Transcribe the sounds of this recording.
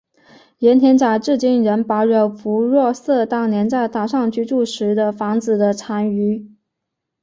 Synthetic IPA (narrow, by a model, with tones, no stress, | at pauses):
jɛ˧˥nt̪ʰjɛ˧˥nt͡ɕja˨˩ʈ͡ʂɻ̩˥˧t͡ɕi˥˩nɻə˧˥npa˧˥ʊɻə˧˩ʊfu˧˥ɻwɔ˥˧sɤ˥˩t̪ɑ˥˩ŋnjɛ˧˥nt͡sa˥˩ɪt̪a˥˩ʂɑ˥˧ŋt͡ɕʰy˥˧ʈ͡ʂu˥˩ʂɻ̩˧˥d̪ə˧fɑ˧˥ŋt͡sɹ̩˨˩d̪ə˦ʈ͡ʂʰa˧˥ny˧˥